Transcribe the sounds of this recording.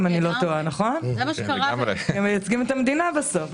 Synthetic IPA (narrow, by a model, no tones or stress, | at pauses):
manilo̞t̪oanaχo̞nlamɐʃɡaʁeemejat͡sɡimet̪amed̪inabeso̞f